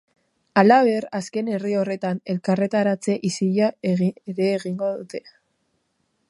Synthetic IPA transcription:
alaβ̞e̞ɾaske̞ne̞rio̞re̞t̪ane̞lkare̞t̪aɾat͡se̞ʔisiʎaeɣɾe̞ːɣiŋɡo̞ðut̪e̞

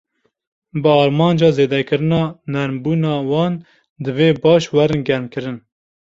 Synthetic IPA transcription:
bɨɑːɾmɑːnd͡ʒɑːzeːd̪ɛkɨɾɨnɑːnɛɾmbuːnɑːwɑːn | d̪ɨveːbɑːʃwɛɾɨnɡɛɾmkɨɾɨn

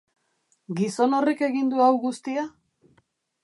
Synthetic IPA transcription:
ɡiso̞no̞rike̞ɣind̪uawɣust̪ia

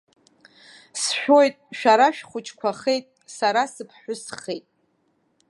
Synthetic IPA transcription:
sħʷᶣo̞jtʼʃᶣaɾaʃᶣχʷʊt͡ʃʰʼkʷʰaχe̞jtʼsaɾasɨpʰħʷʊsχejtʼ

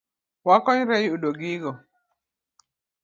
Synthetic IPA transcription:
wakɔɲɾɛjudoɡiɡɔ

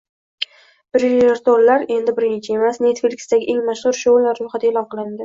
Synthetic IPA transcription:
b̥ɾloɾt̪oɾlaɾe̞nd̪ɪbɪɾnɪt͡ʃʰae̞masne̞t̪feɾkʲsd̪aɡʲɪʔe̞ŋmaʃχʊɾʃolːaɾːʊjχat̪aelɒnqʰɨlˠɪnd̪ɪ

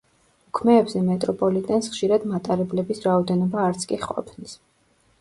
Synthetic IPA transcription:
ukʰmɛːbzɛmɛt̪ʼɾɔpʼɔlit̪ʼɛnsχʃiɾad̪mat̪ʼaɾɛblɛbisɾaɔd̪ɛnɔbaːɾt̪sʰkʼiqʼɔ̰pʰnis

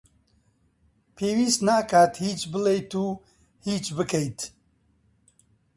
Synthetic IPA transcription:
pʰeːwiːsnaːkʰaːt̪hiːt͡ʃbɨlejt̪uː | hiːt͡ʃbɨkʰejt̪

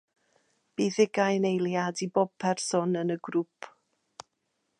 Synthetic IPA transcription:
b̥iːðɪɡajnejlˠjadibɔb̚pʰɛrsɔnənəɡɾupʰ

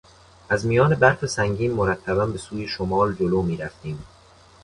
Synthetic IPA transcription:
ʔæzmijɒːne̞bæɾfesæŋɟiːnmoɾæt̪ʰːæbænbe̞suːjeʃomɒːld͡ʒoloːmiːɾæft̪iːm

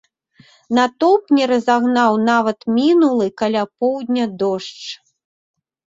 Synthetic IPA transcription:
nat̪ɔpnʲɛɾɐzaɣnawnavɐt̪mʲinulˠɨkalʲapɔwd̪ʲnʲɐd̪ɔʂt͡ʂ

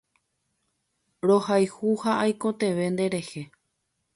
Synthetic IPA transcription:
ɾohajhuhaʔajko̞t̪ẽ̞ʋe̞nd̪eɾe̞he̞

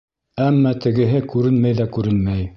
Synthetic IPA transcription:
æmːæt̪ɘ̆ɡɘ̆ɦɘkʉɾɘnmæjðækʉɾɘnmæj

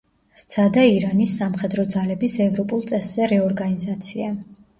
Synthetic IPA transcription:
st̪sʰad̪aiɾanisːamχɛd̪ɾɔd̪zalɛbisɛvɾɔpʼulˠt̪sʼɛsz̥ɛɾɛɔɾɡanizat̪sʰia

